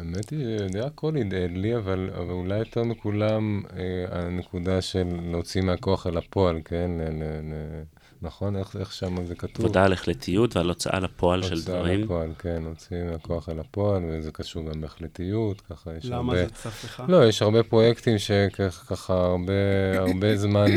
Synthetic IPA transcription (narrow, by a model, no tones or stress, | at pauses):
emet̪iʃeejod̪eako̞lid̪ed̪liavala̰valulajot̪eʁmikulamea̰nekudaʃe̞lːot͡simeako̞aχelapo̞alke̞nlelele | naχo̞neχeχʃamazekatutovdaleχlet̪ʰijutvealot͡sʔa̰lapʰoaloʃeld̪aʁimpoalke̞nlot͡simeako̞aχelapo̞alvezekaʃuʁɡameeχletijutkaχajeʃaaʁbelo̞jeʃhaʁbe̞pʁo̞jektimʃe̞keχkaχaːʁbeaʁbe̞zman